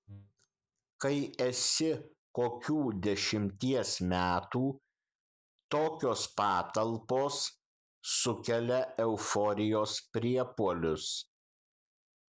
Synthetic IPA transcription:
kɐɪɛsʲɪ | koːkʲuːd̪ʲɛʃʲɪmʲt̪ʲiɛsmʲæːt̪uː | t̪oːkʲoːspɑːt̪ɐlˠpoːsː | ʊkʲɛlʲɛɛʊfɔɾʲɪjoːspʲɾʲiɛpuɔlʲʊs

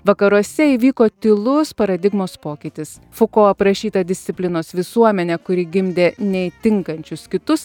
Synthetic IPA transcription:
ʋɐkɐɾuɔsʲɛiːʋʲiːkoːt̪ʲɪlˠʊspɐɾɐd̪ʲɪɡmoːspoːkʲɪt̪ʲɪs | fʊkoːɐpɾɐʃʲiːt̪ɐd̪ʲɪsʲt̪sʲɪpʲlʲɪnoːsʋʲɪsuɔmʲɛnʲɛkʊɾʲɪɡʲɪmʲd̪ʲeːnʲɛɪt̪ʲɪŋkɐnʲt͡ʃʲʊskʲɪt̪ʊs

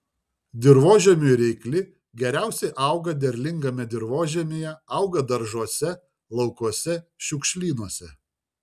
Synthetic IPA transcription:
d̪ʲɪɾʋoːʒʲɛmʲuɾʲɛɪklʲɪ | ɡʲɛɾʲæˑʊsʲɛɪʔɐʊɡɐd̪ʲɛɾʲlʲɪŋɡɐmʲɛd̪ʲɪɾʋoːʒʲɛmʲeːjɛɐʊɡɐd̪ɐɾʒuɔsʲɛ | lˠɐʊkuɔsʲɛʃʲʊkʲʃʲlʲiːnuɔsʲɛ

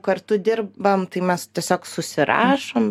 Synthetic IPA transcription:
kɐrt̪ʊd̪ʲɪrbɐmt̪ɐɪmʲɛst̪ʲiɛsʲoːksʊsʲɪɾɑ̰ːʃoːm

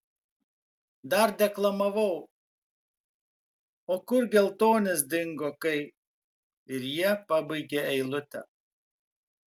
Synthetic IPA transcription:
d̪ɐɾd̪ʲɛklˠɐmɐʋɐʊ | oːkʊɾɡʲɛlˠt̪oːnʲɪsd̪ʲɪŋɡokɐɪ | ɪɾjiɛpɑbɐɪɡʲeɛɪlˠʊt̪ʲɛ̰

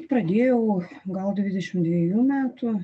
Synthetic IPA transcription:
t̪pɾɐd̪ʲeːjɛʊɡɐlˠd̪ʲʋʲɪd̪ʲɛʃʲɪmd̪ʲʋʲɛjuːmʲæːt̪ʊ

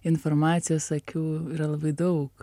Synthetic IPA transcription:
ɪnfoɾmɑːt̪sʲɪjoːssɐkʲɛʊɪɾɐlˠɐbɐɪd̪ɐʊk

